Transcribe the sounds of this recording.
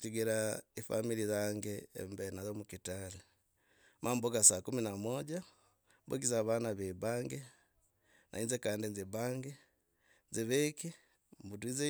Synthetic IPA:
ciɡeɾaifa̰milizaŋɡḛːmbenazomukitali | mʔambokasakuminamwoɟa | mbo̰k̬izaβanaβebaŋɡe | nʔa̰iːnzekaːndinzibaːŋɡe | nziβeki | mbut̬wize

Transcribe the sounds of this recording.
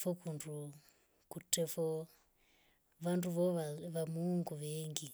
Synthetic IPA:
fɔkundʱu | kutɛfɔ | ʋanduʋɔʋaʋamuŋɡuʋeŋɡi

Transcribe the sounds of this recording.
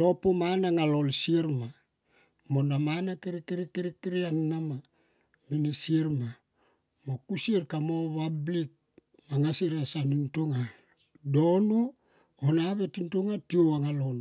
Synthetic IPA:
to̞pomanaŋalolsieɾma | monamanakiɾikiɾikiɾikiɾiaŋnama | minesieɾma | mokusieɾkamoβablik̚ | maŋasiɾasanintoŋa | do̞nu | onaβetintoŋatioaŋalon

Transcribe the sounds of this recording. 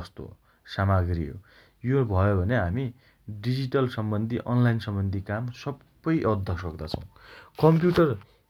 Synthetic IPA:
ʌst̪o̰ | samaɡrḭɦo̰ | jobʱʌjobʱʌneɦami | ɖid͡ziʈʌlsʌmbʌnd̪ʱiʔʌnlajnsʌmbʌnd̪ʱikamsʌbːʌjʔʌd̪ʱʌsʌkd̪at͡sʰʌ̃w̃kʌmpjuʈʌr

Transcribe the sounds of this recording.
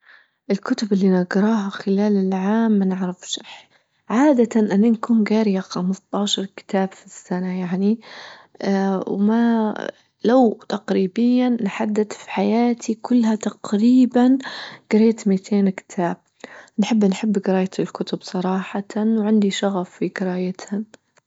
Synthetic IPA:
ʔɪlkʊt̪ʊbɪlːinaɡɾˤɑːɦaxɪlaːlɪlʕaːmːanɪʕɾɑfʃħ | ʕaːd̪at̪anʔɪnːankuːnɡaːɾɪjaxamsˤt̪ˤɑːʃɑɾˤkɪ̥t̪aːbfisːanajaʕni | wma | lawt̪ɑqɾiːbɪjːanħad̪ːɪd̪fi̥ħajaːt̪ʰikʊlːhat̪ɑqɾiːbanɡ̥ɪɾeːt̪mit̪ʰeːnkɪ̥t̪ʰaːb̥̚ | nħɪbːnħɪbːɡɪɾaːjat̪ɪlkʊt̪ʊbsˤɑɾˤɑːħɑt̪awʕɪnd̪iʃɑɣffiɡɪɾajat̪ha

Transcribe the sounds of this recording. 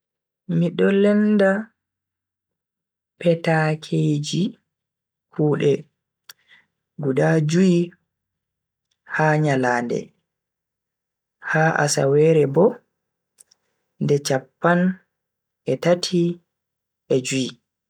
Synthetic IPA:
miɗɔlɛnda | pɛtakʰed͡ʒi | kʰuːɗɛ | ɡuɗad͡ʒuji | haːɲalaːndɛ̰ | haːʔa̰sa̰wɛːɾɛbɔ | ndɛt͡ʃapːan | ʔɛtatʰi | ʔɛd͡ʒuji

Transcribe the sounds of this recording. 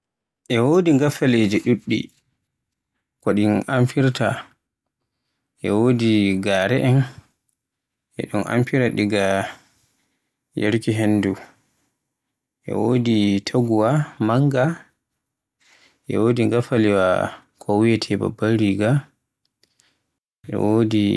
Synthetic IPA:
ʔɛwodiŋɡafaled͡ʒɛɗuɗːḭ | kɔɗinʔamfiɾta | ʔɛwoːdiɡaːɾɛʔɛn | ʔɛ̰ɗunʔa̰mfiɾaɗiɡa | jeɾkiɦenːdu | ʔɛ̰woːditʰaɡuwamaŋɡa | ʔɛ̰wodiŋɡafaliwa̰ | kʰɔwiɛtʰɛba̰baɾiɡa | ʔɛ̰woːdi

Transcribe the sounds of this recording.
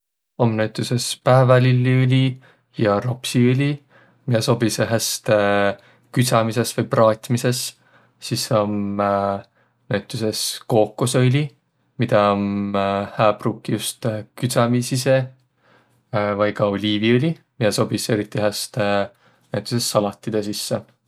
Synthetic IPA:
o̞mnæwt̪ːˑuse̞spæːvɑlilʲːiølʲi | jɑɾo̞psiolʲi | mid̪̥ɑso̞bisøɦest̪ | kysɑmise̞svɯjprɑːt̪ʲmise̞sː | iso̞m | næwt̪ːˑuse̞sko̞ːkːosølʲi | mid̪̥ɑomhæːbruːkːijust̪kyt̪sɑmisise̞ | vɑjkɑolʲiːviolʲi | mid̪̥ɑso̞bise̞ɾit̪ːˑiɦest̪ | næwt̪ːˑusestːɑlɑt̪ˑːid̪̥ɑsisːe

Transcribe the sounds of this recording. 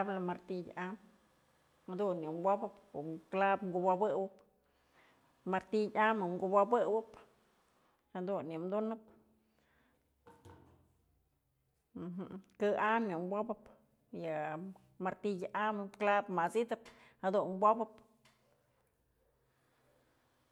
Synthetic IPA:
blamaɾt̪ijʲʔam | ad̪unimbʷobapuklabŋɡubabɨwap | maɾt̪ijʲamaŋɡubʷabɨwap | ad̪unimd̪unap | ɦkɨʔamnimbʷobap | ja | maɾt̪ijʲaʔamɨklabmasid̪aphad̪umbʷobap

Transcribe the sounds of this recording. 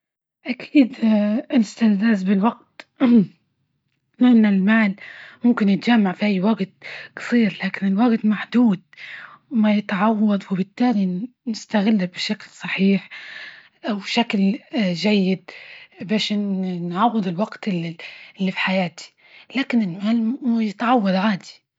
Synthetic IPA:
ʔakʰiːd̪ɪlɪst̪alzaːzbɪlwaɡt̪ | lɪʔɪnːalmaːlmʊmkɪnjɪt̪ʒamːaʕfiʔajːwaɡt̪̚kɑ̥sˤiːɾlaːkɪnɪlwaɡt̪maħd̪uːd̪̚majɪt̪ʕɑwːɑd̪ˤwɪbɪt̪ːaːli | nɪst̪aɣɪlːabɪʃaklsˤɑħiːħ | ʔawʃaklʒajːɪd̪beːʃnnʕɑwːɪd̪ˤɪlwaɡt̪ɪlʔɪlːifi̥ħajaːt̪i̥ | laːkɪnɪlmaːlmuːjɪt̪ʕɑwːɑd̪ˤʕaːd̪i̥

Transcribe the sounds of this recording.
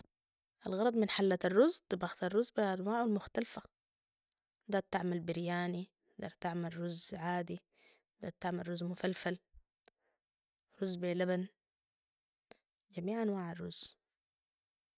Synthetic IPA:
ʔalɣɑɾˤɑd̪ˤmɪnħalːat̪arːʊzt̪ɨbɑxt̪arˤːʊzːbaʔanwaːʕalmʊxt̪alfa | d̪ɑt̪aʕmalbɪɾjaːni | d̪ɑɾˤt̪aʕmalɾʊzʕaːd̪i | d̪a̰t̪aʕmarˤːuzːmʊfalfal | ɾʊzːbelaban | d͡ʒamiːʕʔanwaːʕarˤːʊz̥

